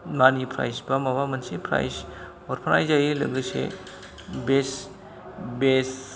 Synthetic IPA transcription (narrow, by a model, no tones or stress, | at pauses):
manipʰɾa̰jsbamawamɐnsepʰɾa̰js | ɔɾpʰɐnajzajilɐ̰ɡɯsḛ | bes | bes